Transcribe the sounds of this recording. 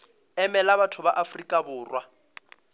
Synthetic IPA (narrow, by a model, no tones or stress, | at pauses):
ɛmɛlaβatʰʊbaʔafrikʼabʊːrwa